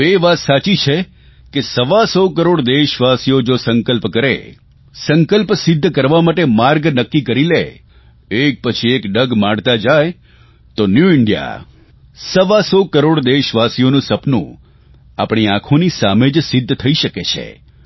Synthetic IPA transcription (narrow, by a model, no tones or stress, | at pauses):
eʋat̪sat͡ʃit͡ʃʰe | kesəʋasokəɾoɽd̪eʃʋasijod͡ʒosəŋkəlpkəɾḛ | səŋkəlpsɪd̪ʱːkəɾʋamaʈemaɾɡnəkːikəɾilḛ | ek̚pət͡ʃʰiekɖəɡmaɽt̪ad͡ʒaj | t̪onjuɪɳɖija̰ | səʋasokəɾoɽd̪eʃʋasijonũsəpnṵ̃ | a̰pɳiãkʰonisamed͡ʒsɪd̪ʱːt̪ʰəiʃəket͡ʃʰḛ